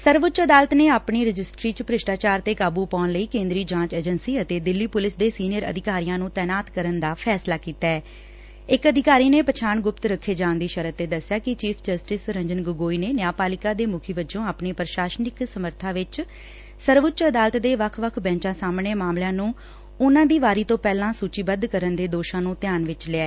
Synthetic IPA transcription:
səɾʋʊt͡ʃəd̪aːlət̪neːaːpniːɾəd͡ʒɪsʈɾiːt͡ʃpɾɪʃʈaːt͡ʃaːɾt̪eːkaːbuːpɔːnləiːkẽːnd̪ɾiːd͡ʒãːt͡ʃeːd͡ʒənsiːət̪eːd̪ɪlːiːpʊlɪsd̪eːsiːnɪjəɾə̰d̪ʱɪkaːɾijãːnũːt̪ɛːnaːt̪kəɾənd̪aːpʰɛːslaːkiːt̪aɛː | ɪkəd̪ʱɪkaːɾiːneːpət͡ʃʰaːɳɡʊpt̪ɾəkʰːeːd͡ʒãːnd̪iːʃəɾət̪ːeːd̪əsːɪjaːkɪt͡ʃiːpʰd͡ʒəsʈɪsɾə̃ɲd͡ʒənɡʊɡoːiːneːnɪjaːpaːlɪkaːd̪eːmʊkʰiːbəd͡ʒõːaːpneːpɾəʃaːʃnɪksəməɾt̪ʰãːʋɪt͡ʃ | səɾʋʊt͡ʃəd̪aːlət̪d̪eːʋəkʰʋəkʰbɛ̃ːt͡ʃãːsaːmɳeːmaːmljãːnũː | ʊnãːd̪iːʋaːɾiːt̪õːpɛːlãːsuːt͡ʃiːbəd̪kəɾənd̪eːd̪oːʃãːnũːt̪ɪjaːnʋɪt͡ʃlɪɛː

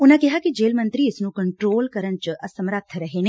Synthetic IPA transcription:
ʊnãkɛɦakid͡ʒeːlmə̃nt̪ɾiɪsnũːkəɳʈɾoːlkəɾənt͡ʃʔəsəmɾət̪ʰːɾɐɦeneː

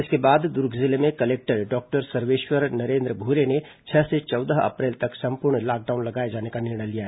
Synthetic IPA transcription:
ɪskebaːd̪d̪ʊɾɡʱzɪlemẽkɐleːk̚ʈəɾɖɔːk̚ʈəɾsɐɾʋeːʃwəɾnɐɾẽːnd̪ɾəbʱuɾene | t͡ʃʰɛɦset͡ʃɔːd̪əɦɐ̰pɾeːlt̪ɐksɐ̃mpuɾɳlaːk̚ɖaːʊnlɐɡaːed͡ʒaːnekanɪɾɳəjlijaɦɛː

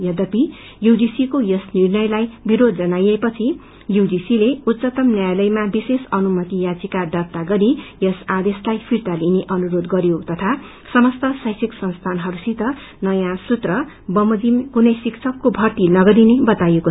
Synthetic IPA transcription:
jʌd̪ʌpi | judisikojʌsnirnʌjlajbiɾod̪̚d͡zʌnajʌjpʌt͡sʰi | judisileut̪t͡sʌt̪ʌmnjajlʌjmabisesʌnumʌt̪ijad͡zikad̪ʌrt̪aɡʌɾijʌsad̪eslajpʰirt̪alineʔʌnuɾod̪ɡʌɾjot̪ʌt̪ʰa | sʌmʌst̪ʌsʌjsʰiksʌnst̪ʰanɦʌɾusit̪ʌ | nʌjãsut̪rʌ | bʌmʌd͡zimkunʌjsikt͡sʰʌkːobʱʌrt̪inʌɡʌɾinebʌt̪ajeko

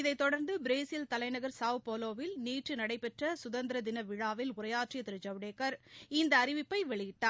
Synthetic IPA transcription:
ɪðɐɪt̪ːɔɽɐɾnd̪ɯbɪɾeːsɪlt̪ɐlɐɪnɐɣɐɾsaːʋpoːloːʋɪlniːʈrɯnɐɽɐɪpɛʈrɐsʊðɐnd̪ɪɾɐd̪ɪnɐʋɪɻaːʋɪlʊrɐjaːʈrɪjɐt̪ɪɾɯd͡ʒɐʋɽeːkɐɾɪnd̪ɐːɾɪʋɪpːɐɪʋɛɭɪjɪʈːaː

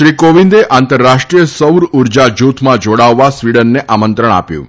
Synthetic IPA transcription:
ʃɾikoʋĩnd̪eʔant̪əɾːaʃʈɾijəsəwɾuɾd͡ʒad͡ʒut̪ʰmãd͡ʒoɽaʋːasʋiɽənːeʔamənt̪ɾəɳ̃a̰pjṵ̃

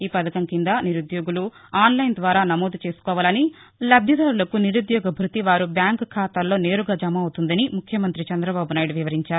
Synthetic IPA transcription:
iːpɐd̪ɐkɐŋkind̪aniɾud̪joːɡulu | aːnlɐjnd̪ʋaːɾaːnɐmoːd̪ut͡ʃe̞ːsu̥kɔːʋaːlɐni | lɐbʱjɐd̪aːɾulɐkuniɾud̪jɔːɡɐbʱɾut̪iʋaːɾubjaːŋkkʰːaːt̪aːlːo̞ːne̞ːɾuɡaːd͡ʒɐmɐːwt̪und̪ɐnimukʰjɐmɐnt̪ɾit͡ʃɛnd̪ɾɐbaːbunaːjɖuʋiʋɐɾiɲt͡ʃaːɾu

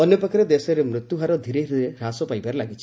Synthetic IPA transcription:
ɔnjɔpɔkɔɾed̪esɔɾemɾut̪juɦaɾɔd̪ʱiɾeɾueɾasɔpajbaɾelaɡit͡ʃʰi

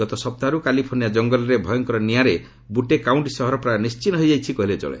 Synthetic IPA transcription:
ɔt̪ɔsɔp̚t̪aɾukalipʰoɾnijad͡ʒɔŋɡɔlɔɾebʱɔjɔŋkɔɾɔniaɾe | buʈekawɳʈsɔɦɔɾɔpɾanist͡ʃinɔɦojd͡ʒajt͡ʃʰikɔɦilet͡ʃɔ̰ɭḛ

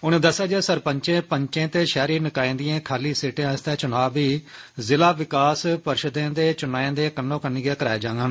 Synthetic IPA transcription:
ʊnẽːd̪əsaːd͡ʒeːsəɾpəɲt͡ʃẽːpəɲt͡ʃẽːt̪eːʃɛːɾiːnɪkaːĩːnd̪ɪjãːkʰaːliːseːʈẽːɪst̪ɛ̃ːt͡ʃʊnaːbiːzɪlaːʋɪkaːspəɾʃəd̪ẽːd̪eːt͡ʃʊnaːẽːd̪eːkənːõːkənːiːɡaːkəɾaːed͡ʒãːŋɡaːn

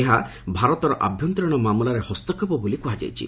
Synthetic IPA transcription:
eɦa | bʱaɾɔt̪ɔɾɔʔa̰bʱjɔnt̪ɾɔɽ̃ɔmamulaɾehɔst̪ɔkʰːɔpɔbulikuɦad͡ʒa̰jt͡ʃʰḭ

